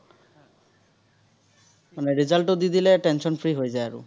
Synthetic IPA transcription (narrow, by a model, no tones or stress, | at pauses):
manɛɹizalʈod̪id̪ilɛʈɛnʃɔnpʰɹiɦojzajaɹṵ